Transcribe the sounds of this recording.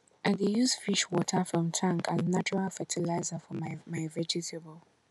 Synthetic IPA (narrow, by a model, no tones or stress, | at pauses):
ʔaɪdejuzfiʃwɔtʰəfɹɔ̃mtʰãŋkaznat͡ʃɔɹalfɛtʰilaɪzəfɔmamaɪvɛd͡ʒitʰebəlˠ